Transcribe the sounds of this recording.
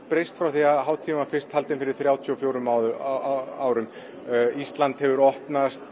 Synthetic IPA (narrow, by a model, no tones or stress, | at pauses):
pɾejst̪fɾawθiaðɦaːwt̪ʰiːmafɪr̥st̪halt̪ɪnfɪɾɪɾ̥θɾjaːwt̪ʰiɔfjoːwɾʏmawð | aːwɾʏm | ist̪lant̪hɛvʏɾɔhpnast̪